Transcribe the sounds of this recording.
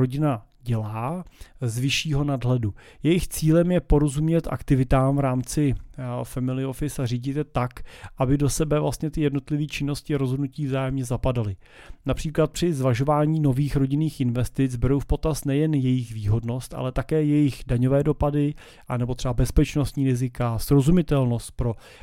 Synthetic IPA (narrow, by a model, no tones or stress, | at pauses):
ɾo̞ɟɪnaɟɛlaːzvɪʃiːɦo̞nadɦlɛdujɛjɪxt͡siːlɛmjɛpo̞ɾo̞zumɲɛt̪ʔa̰kt̪ɪvɪt̪aːmvɾaːmt͡sɪfɛmɪlɪo̞fɪsariːɟɪt̪ɛt̪akʔabɪdo̞sɛbɛvlast̪ɲɛt̪ɪjɛdno̞t̪lɪviːt͡ʃɪnːo̞scɪaɾozɦodnuciːvzaːjɛmɲɛzapadalɪ | napr̝̥iːklat̪̚pr̝̥ɪzvaʒo̞vaːɲiːno̞viːxɾo̞ɟɪniːxɪnvɛst̪ɪt͡sbɛɾowfpo̞t̪ast̪nɛjɛnjɛjɪxviːɦo̞dno̞st̪ʔa̰lɛt̪akɛːjɛjɪxdaɲo̞vɛːdo̞padɪ | ʔanɛbo̞t̪r̥ɛbabɛspɛt͡ʃno̞st̪ɲiːɾɪzɪkasɾo̞zumɪt̪ɛlno̞st̪̚pɾo̞